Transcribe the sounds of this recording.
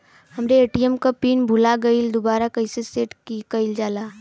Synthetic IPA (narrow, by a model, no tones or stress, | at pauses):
ɦɐmɾeeːʈiɛmkapiːnbʱʊlaɡɐɪld̪obaːɾakɐɪseseːʈkikɐɪld͡ʒaːlaː